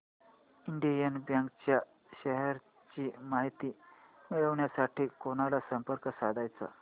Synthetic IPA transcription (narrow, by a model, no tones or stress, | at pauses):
iɳɖijənbjaŋkt͡ɕja | ɕəɦɛɾ | t͡ɕiːmaɦit̪iː | miɭəʋɳjasaʈiːkonalasəmpəɾkəsad̪ʱajt͡sa̰